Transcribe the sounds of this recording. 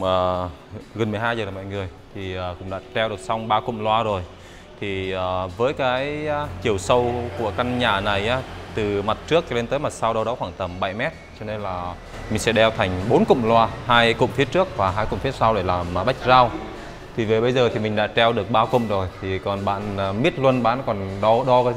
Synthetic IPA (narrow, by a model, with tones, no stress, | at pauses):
ʔəː˨˩ | ɣə˨˩nmɨ˨˩əɦaː˧jzəː˨˩laː˨˩mɔ̰˧˨jŋɨ˨˩əjt̪ʰi˨˩ʔəː˨˩kʊ̰˧˥ŋ͡mɗa̰ː˧˥t͡ɕɛ˧wɗɨ˨˩ək̚sa˧wŋ͡mɓaː˧kʊ̰˧˨ŋ͡mlwaː˧zo˨˩j | t̪ʰi˨˩ʔəː˨˩vəː˨˦jkaː˨˦jt͡ɕi˨˩əwsə˧wku˧˩əka˧nɲaː˧˩na˨˩jʔaː˨˦t̪ɨ˨˩ma˨˩t̚t͡ɕɨ˦˥ək̚le˧nt̪əː˨˦jma˨˩t̚sa˧wɗə˧wɗɔ˨˦xwaː˧˩ŋt̪ə˧˩mɓa˧˩jmɛ˦˥t̚t͡ɕɔ˧ne˧nlaː˨˩ | mï˨˩ŋ̟sɛ̰˧˥ɗɛ˧wt̪ʰa˨˩ŋ̟ɓo˨˦nkʊ̰˧˨ŋ͡mlwaː˧ɦaː˧jkʊ̰˧˨ŋ͡mfi˨˦ət̚t͡ɕɨ˦˥ək̚vaː˨˩ɦaː˧jkʊ̰˧˨ŋ͡mfi˨˦ət̚sa˧wɗe˧˩laː˨˩mː˨˩ɓa˦˥k̟̚zaː˧w | t̪ʰi˨˩ve˨˩ɓə˧jzəː˨˩t̪ʰi˨˩mï˨˩ŋ̟ɗa̰ː˧˥t͡ɕɛ˧wɗɨ˨˩ək̚ɓaː˧kʊ̰˧˨ŋ͡mzo˨˩jt̪ʰi˨˩kɔ˨˩nɓa̰ː˧˨nː˨˩mi˦˥ət̚lwə˧nɓaː˧˥nkɔ˨˩nɗɔ˧ɗɔ˧kaː˨˦